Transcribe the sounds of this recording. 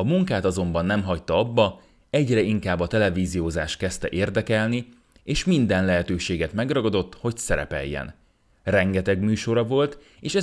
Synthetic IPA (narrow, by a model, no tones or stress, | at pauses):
ɒmuŋkaːt̪ɒzo̞mbɒnːɛmɦɒct̪ɒɒbːɒ | ɛɟrɛiŋkaːbːɒt̪ɛlɛviːzijoːzaːʃkɛst̪ɛ̰ʔeːrd̪ɛkɛlni | eːʃmind̪ɛnlɛɦɛt̪øːʃeːɡɛt̪mɛɡrɒɡɒd̪o̞t̪ːho̞csɛɾɛ̰pɛ̰jːɛ̰n | rɛŋɡɛt̪ɛɡmyːʃo̞ɾɒvo̞lt̪ | eːʃɛ